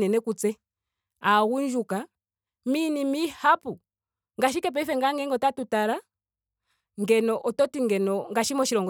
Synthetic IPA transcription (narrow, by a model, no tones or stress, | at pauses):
nɛnɛkut͡sɛ | aɣund͡ʒuka | minimihapu | ŋɡaʃ̬ikɛp̬ɛifɛŋɡaŋɡɛŋɡɔtatutaɾa | ŋɡɛnɔʔɔtɔtiŋɡɛnɔŋɡaʃimɔʃiɾɔŋɡɔ